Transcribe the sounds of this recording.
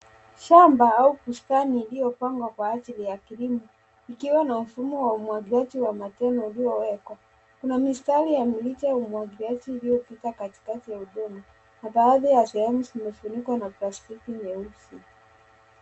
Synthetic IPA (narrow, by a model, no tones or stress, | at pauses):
ʃambaaukuskaniːlijɔpaŋɡwakwaasilijakiɾimɔ | ikiwanam̩fumɔwaumwaɡiɾad͡ʒiwamatɛnɔulijɔwɛkwa | kunamistalijamilit͡ʃajaumwaɡiɾiad͡ʒiːlijɔpitakati̥katijauɗɔma | naɓaːðajasɛhɛmuzimɛfunikwanaplastikiɲɛusi